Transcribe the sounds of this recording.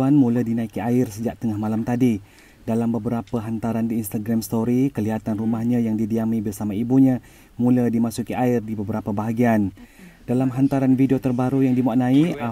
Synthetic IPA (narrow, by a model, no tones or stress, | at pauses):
anmulədinãikiaɪrsəd͡ʒaʔ̚t̪əŋahmalamt̪adi | dalambəbəɾapəɦant̪aɾandiːnst̪aɡɾamst̪oɾikəliɦat̪anrumahɲãjaŋdidiamibərsamaibuɲã | mũlədimasukiʔaɪrdibəbəɾapabaɦaɡiand̥alamɦant̪aɾanfideiot̪ərbaɾujaŋdimaʔnãiʔa